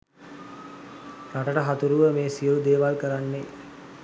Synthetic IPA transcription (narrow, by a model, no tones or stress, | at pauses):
raʈəʈəɦat̪uɾuʋəmeːsijəlud̪eːʋalkəɾanːe